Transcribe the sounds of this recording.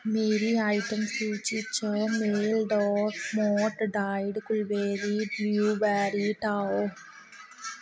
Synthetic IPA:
meːɾiɐjʈɐmsuːt͡ʃit͡ʃːoːmeːlɖoːɾmoːʈɖaːjɖkulʋeːɾibjuːʋaːɾiʈaːo

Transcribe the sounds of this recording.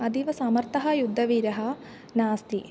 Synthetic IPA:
ɐd̪iʋɐsaːmɐɾt̪ɐɦɐjud̪ʱːɐʋiːɾɐɦɐ | naːst̪i

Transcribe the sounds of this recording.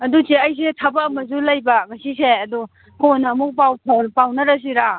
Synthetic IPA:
ɐdusiɐjs̬etʰɐbɐːmɐzulɐjbɐŋɐsiseɐdu | konɐːmuk̚p̬awtʰɐpawnɐɾɐs̬iɾa

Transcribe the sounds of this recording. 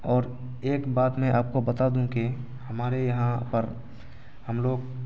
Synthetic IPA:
ɔːɾ | eːkbaːt̪mɛ̃ʔaːp̚kobɐt̪ad̪ũki | hɐmaːɾejɐɦãpəɾ | həmloːɡ̚

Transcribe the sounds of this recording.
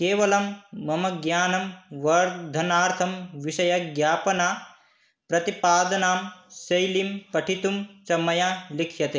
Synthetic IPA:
keːʋɐlɐmːɐmɐɡjaːnɐmʋɐɾd̪ʱɐnaːɾt̪ʰɐmʋiʃɐjɐɡjaːpɐnaː | pɾɐt̪ipaːd̪ɐnaːmsɐjlimpɐʈʰit̪umt͡ʃɐmːɐjaːlikʰjɐt̪eː

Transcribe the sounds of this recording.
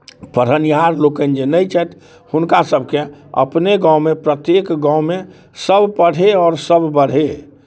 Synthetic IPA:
pəɾənjɦaɾlokənd͡ʒenəit͡ʃɛt̪ | hʊnkasəbʱkeə̰pneɡãʊmepɾət̪jekɡãʊmẽ | səbʱpəɽ̤eɔːɾsəbʱbəɽ̤e

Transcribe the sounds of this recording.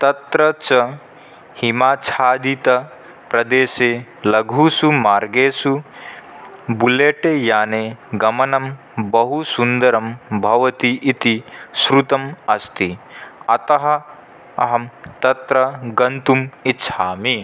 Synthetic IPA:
t̪ɐt̪ɾɐt͡ʃɐ | himaːt͡ʃʰaːd̪it̪ɐ | pɾɐd̪eːseːlɐɡʱusumaːɾɡeːsu | buleːʈejaːneːɡɐmɐnɐm | bɐɦusund̪ɐɾɐmbʱɐʋɐt̪iʔːt̪isɾut̪ɐmɐst̪iɐt̪ɐɦɐ̆ | ɐɦɐmt̪ɐt̪ɾɐɡɐnt̪umitːʃʰaːmi

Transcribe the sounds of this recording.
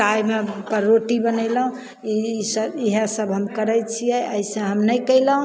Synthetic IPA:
ajmepəɾːoʈibənəlɦũ | isəbiɦəsəbɦəmkəɾɛjt͡ʃʰijɛʔəjsə̃ɦəmnəjkəɪlɦũ

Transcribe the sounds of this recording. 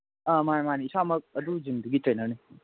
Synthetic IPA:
ʌmamaniːsamɐk̚ɐd̪uzimd̪uɡitɾenəɾne

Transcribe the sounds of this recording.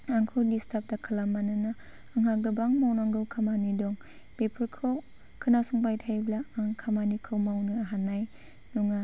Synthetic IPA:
aŋkʰɯdistʰap̚dakʰalamːanɯnaː | ŋɦaɡɯbaŋmawnaŋɡɯwkʰamanidɔŋ | pepʰɯɾkʰɔw | kʰɯnasuŋpajtʰajblaaŋkʰamanikʰɯwmawnɯaɦanːaj | nuŋa

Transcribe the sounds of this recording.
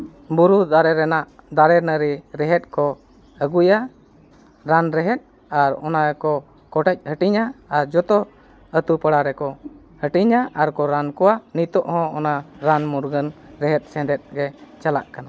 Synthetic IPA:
buɾud̪aɾɛɾɛnaʔd̪aɾɛnəɾiɾɛɦɛt̪̚kɔ | əɡuja | ɾanɾɛɦɛt̪̚ | aɾɔnaɾɛkɔ | kɔʈɛc̚ˀhəʈiɲaːɾd͡ʒɔt̪ɔ | ət̪upəɽaɾɛkɔ | həʈiɲaʔaɾkɔɾankɔwanit̪ɔʔhɔ̃ɔnaɾanmuɾɡənɾɛɦɛt̪̚ˀsɛ̃d̪ɛt̪̚ɡɛt͡ʃalaʔkana

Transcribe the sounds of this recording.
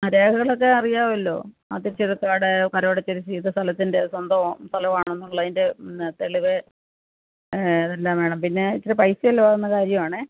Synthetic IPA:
mɐɾeːkɐɣɐɭokːe̞ɐrijaːʋɐlːo̞̰ː | a̰ːt̪ːiɾit͡ɕːɐðɨkːaːɽekɐɾɐoːɽɐt͡ɕːɐɾisiːðɨst̪ɐlɐt̪ːinde̞swɐnd̪ɐʋst̪ʰɐlɐʋaːɳɳonːumɐɭːɐðinde̞t̪e̞ɭiʋe | ɐðelːaːmʋe̞ːɳɐmpinːe̞t͡ɕːɐɾɨpɐjsɐʋɐlːoʋaɣɐnːɐkaːɾjɐmaːɳɨ

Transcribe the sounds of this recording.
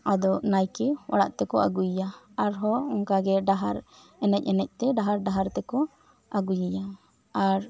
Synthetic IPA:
ad̪ɔnajkɛwa̰ɽa̰ʔt̪ɛkɔa̰ɡujja | aɾɦɔɔŋkaɡɛɖaɦaɾ | ɛnɛc̚ˀɛnɛc̚ˀt̪ɛɖaɦaɾɖaɦaɾt̪ɛkɔ | aɡujaja | aɾ

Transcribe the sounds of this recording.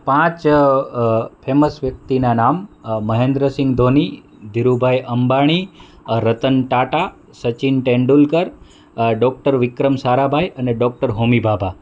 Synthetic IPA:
pãt͡ʃ | pʰeməsʋjək̚t̪inanamːəɦẽnd̪ɾəsɪ̃ŋɡd̪ʱoni | d̪ʱiɾubʱajʔəmbaɽ̃i | ɾət̪ənʈaʈa | sət͡ʃinʈẽɳɖulkəɾ | ɖɔk̚ʈəɾʋɪkɾəmsaɾabʱajʔəneɖɔk̚ʈəɾɦomibʱabʱa

